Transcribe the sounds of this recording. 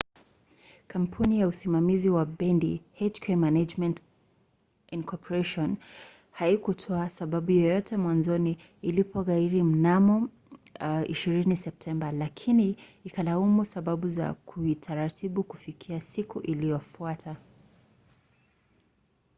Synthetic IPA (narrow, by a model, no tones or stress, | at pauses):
kam̩pʰunijausimamiziwaɓɛndihɛt͡ʃkʰɛmanad͡ʒmɛ̃nt | inkʰɔpɔɾɛʃɔn | haikutʰɔasaɓaɓujɔjɔtʰɛmwanzɔniː | lipɔɣaiɾim̩namɔ | ḭʃiɾinisɛp̚tʰɛmbalakʰiniikalaumusaɓaɓuza̰kʰuitʰaɾatʰiɓuku̥fikʰiasikuʔilijɔfuatʰa